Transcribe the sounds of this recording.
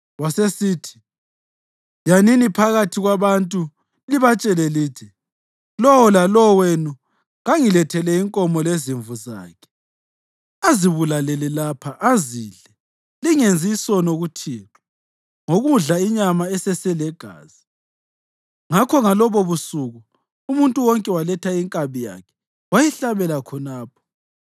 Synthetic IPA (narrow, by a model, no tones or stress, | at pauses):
wasesiːtʰi̥ | janinipʰaɣatʰiɣwaβantʼu | liβat͡ʃʼɛlɛliːtʰi | lɔwɔlalɔwenu | ŋaŋilɛtʰɛlɛiŋkʼɔmɔleziɱvuza̰ːkʰɛ̥ | aziβulalɛlɛlapʰaʔaziːɮɛ | liŋend͡zʱisɔnoɣutʰiːǁɔ̥ | ŋoɣuɮaiɲamaɛsɛsɛlɛɡ̥ʱa̰ːz̥i | ŋakʰɔŋalɔβoβusuɣu | umuntʼuwɔŋkʼɛwalɛtʰaiŋkʼaβija̰kʰɛ̥ | wajɛɬaβɛlakʰɔnaːp̚ʰɔ̥